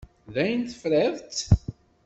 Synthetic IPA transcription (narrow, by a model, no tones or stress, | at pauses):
ðæjənt̪əfɾɪðˤt̪